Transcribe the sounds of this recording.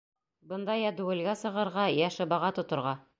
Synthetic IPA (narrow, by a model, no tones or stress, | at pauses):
bɤ̆nd̪ɑjæd̪ʉwɘ̆lɡæsɤ̆ʁɤ̆ɾʁɑjæʃɤ̆bɑʁɑt̪ŏt̪ŏɾʁɑ